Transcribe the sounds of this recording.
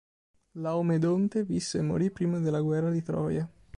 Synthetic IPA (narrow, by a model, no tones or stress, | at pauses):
lawmed̪ont̪evisːeːmːo̰ɾipɾiːmad̪elːaɡwɛrːad̪it̪ɾɔ̰ːja